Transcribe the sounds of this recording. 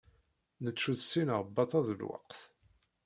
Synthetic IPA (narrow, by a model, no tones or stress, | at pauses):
nət͡ʃːuðsːinəʁbːɑt̪ˤɑðəlwɑ̰qθ